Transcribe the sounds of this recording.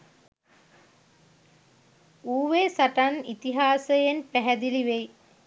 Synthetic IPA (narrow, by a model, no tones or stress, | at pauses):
uːʋeːsaʈanit̪iɦaːsəjenpæɦæd̪iliʋej